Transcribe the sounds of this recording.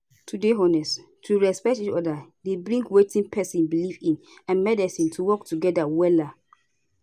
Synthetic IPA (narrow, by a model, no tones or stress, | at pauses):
tʰudeɦɔnɛs | tʰuɹɛspɛk̚tit͡ʃɔdadebɹĩŋɡwetĩnpʰɛsĩnbilifĩn | ãnmɛdɛsĩntʰuwɔktʰuɡɛdawɛla